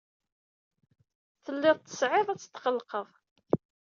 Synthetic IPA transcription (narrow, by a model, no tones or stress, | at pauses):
θəlːɪðˤt̪ːə̥sʕeðˤæt͡sːə̥t̪ːqəlqəðˤ